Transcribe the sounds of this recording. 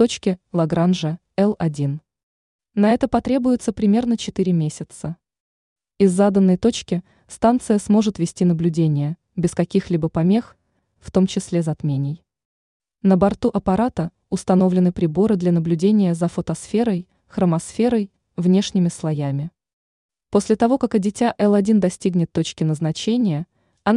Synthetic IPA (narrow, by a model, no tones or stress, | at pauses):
t̪ot͡ɕkʲɪlˠɐɡɾanʐə | ɛlˠɐdʲin | nɐɛt̪əpɐt̪ɾʲe̞bʊjʊt̪səpɾʲɪmʲe̞rnət͡ɕɪt̪ɨɾʲɪmʲesʲɪt̪sə | ɪzːad̪ənːəjt̪o̞t͡ɕkʲɪ | st̪ant̪sɨjəsmo̞ʐɨt̪vʲɪsʲtʲinəblʲʉdʲenʲɪjə | bʲɪskɐkʲixlʲibəpɐmʲe̞x | ft̪o̞mt͡ɕɪsʲlʲezɐt̪mʲenʲɪj | nəbɐrt̪uʔɐpɐɾat̪ə | ʊst̪ɐno̞vlʲɪnɨpɾʲɪbo̞ɾɨd̪lʲanəblʲʉdʲenʲɪjəzəfət̪ɐsfʲe̞ɾəj | xɾəmɐsfʲe̞ɾəj | vnʲe̞ʂnʲɪmʲɪslˠɐjamʲɪ | po̞sʲlʲɪt̪ɐvo̞kakɐdʲɪtʲaʔɛlˠɐdʲind̪ɐsʲtʲiɡnʲɪt̪ːo̞t͡ɕkʲɪnəznɐt͡ɕenʲɪjə | ɐn